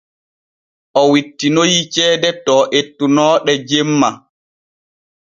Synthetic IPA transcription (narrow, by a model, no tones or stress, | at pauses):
ʔɔwitːinojit͡ʃɛːdɛtɔːʔetːunɔːɗɛd͡ʒemːa